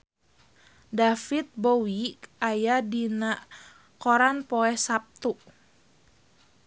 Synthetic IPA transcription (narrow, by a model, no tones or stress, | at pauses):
dafit̪̚bowikajadinaʔ | kɔɾanpoɛsap̚t̪uʔ